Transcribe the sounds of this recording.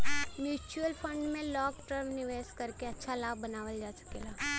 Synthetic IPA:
mjuːt͡ʃuəlpʰə̃ɳɖmẽlɔːkʈəɾmnɪʋeːskɐɾkeɐtːʃʰalaːbːɐnaːʋəld͡ʒaːsə̥keːlaː

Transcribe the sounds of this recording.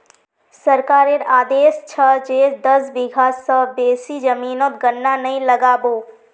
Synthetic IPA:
səɾkaːɾeɾaːd̪eːst͡ʃʰəd͡ʒeːd̪əsbɪɡʱaːəbeːsid͡ʒəmiːnot̪ɡənːanɐɦĩləɡaːboː

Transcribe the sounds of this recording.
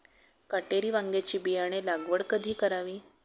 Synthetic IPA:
kaʈeɾiːʋaŋɡet͡ɕiːbijaɽ̃elaɡʋəɽkəd̪ʱiːkəɾaʋiː

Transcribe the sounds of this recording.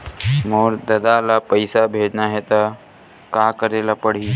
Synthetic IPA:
moːɾd̪əd̪alapəɪsabʱeːd͡ʒnaɦɛt̪a | kaːkəɾelapəɽ̤iː

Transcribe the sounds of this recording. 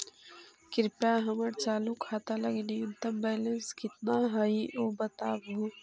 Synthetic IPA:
kɪɾpjaɦɐməɾt͡ʃaːlukʰaːt̪alɐɡnijunt̪əmbɛːlənskɪt̪naɦɐiʔoːbɐt̪aːbu

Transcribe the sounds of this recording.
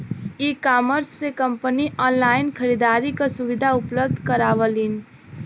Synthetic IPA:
ikaməɾsːekəmpəniʔɔnlaɪnkʰəɾid̪aɾikasuʋid̪ʱaʊpləb̚d̪ʱkəɾaʋəlin

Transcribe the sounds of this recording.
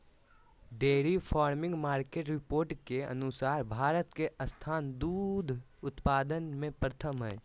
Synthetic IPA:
ɖeːɾipʰaːɾmɪ̃ŋɡmaːɾkeːʈɾɪpoːɾʈkeə̰nʊsaːɾbʱaːɾət̪keʔəst̪ʰaːnd̪uːd̪ʱ | ʊt̪paːd̪ənmẽpɾət̪ʰəmɦɛ̰ː

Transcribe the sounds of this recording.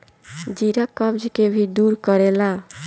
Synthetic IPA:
d͡ʒiɾakɔbd͡ʒkebʱid̪uɾkɔɾela

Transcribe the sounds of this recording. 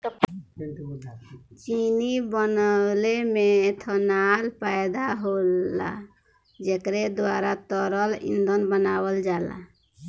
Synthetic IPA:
t͡ʃinibənəlemet̪ʰɔnalpajd̪aɦola̰ | d͡ʒekɾed̪waɾat̪ɔɾəlḭ̃nd̪onbənabəld͡ʒala̰

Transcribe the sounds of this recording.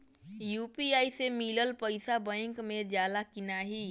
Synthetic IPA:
juːpiaisemiləlpəɪsabə̃ɪ̃ŋkmed͡ʒjad̪akinaɦi

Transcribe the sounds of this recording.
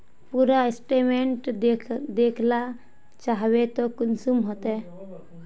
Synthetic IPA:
puɾaesʈemeɳʈ̪d̪ekʰla | t͡ʃaɦbet̪ɔkunsumɦot̪ɛ

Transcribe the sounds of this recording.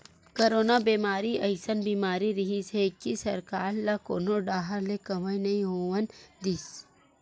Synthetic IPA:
kɐɾoːnabeːmaːɾiʔɐjsɐnbiːmaːɾiɾiɦisekːisɐɾkaːɾlako̰ːnoɖaːɦɐɾlekɐʋəjnɐĩɦoːʋɐnd̪is

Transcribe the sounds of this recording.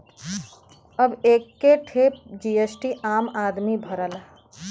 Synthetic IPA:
ɐbeːkːeʈʰeːd͡ʒiːesʈiʔaːmaːd̪mibʱɐɾəlaː

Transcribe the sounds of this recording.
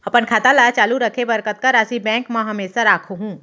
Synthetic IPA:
ɐpənkʰaːt̪alaːjat͡ʃaːluɾəkʰebəɾkət̪̚kaɾaːsibɛ̃ːŋkmãɦɐmeːsaɾaːkʰoɦũː

